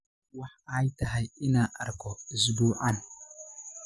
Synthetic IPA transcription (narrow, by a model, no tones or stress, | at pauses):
waħajtaɦajinaʔa̰ɾkozduʔan